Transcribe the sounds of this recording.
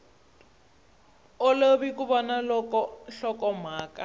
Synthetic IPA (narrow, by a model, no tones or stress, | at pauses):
oloβikuβɔnaɔɔɬɔkɔm̤aːka